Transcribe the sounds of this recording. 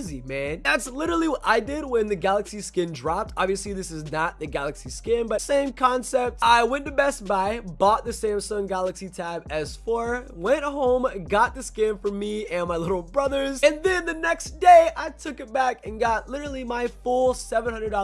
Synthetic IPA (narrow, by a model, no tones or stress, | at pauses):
zimæ̃nðætslɪɾə˞l̩ˠiwʌɾʔaɪdɪd̚wɨ̃nðɨɡælˠəksiskɪ̃ndɹɑp̚tɑbviɨsliðɪsɨznət̪̚ðɨɡælˠəksiskɪ̃nbʌtsẽɪ̃mkʰɑ̃nsɛp̚taɪwɛ̃nɨbɛs̚b̥aɪbɔt̪̚ðɨsẽɪ̃msʌ̃ŋɡælˠəksitʰaɪbɨz̥fə˞wɛ̃nʔ̚ɦõʊ̃mɡɑt̪̚ðɨskɪ̃ɱfə˞miɨ̃nmaɪlɪɾl̩ˠbɹʌðə˞zɨ̃nðɨ̃nðɨnɛksd̥eɪʔaɪtʰʊkɨt̚b̥ækɨ̃nɡɑt̚lɪɾə˞l̩ˠimaɪfulˠsɛvə̃n̩hʌ̃ndədɑ